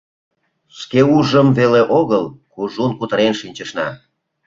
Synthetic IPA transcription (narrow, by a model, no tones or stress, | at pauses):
ʃkeuʒəmveleʔoɣəlkuʒunkut̪əɾenʃinʲt͡ɕəʃnɑ̰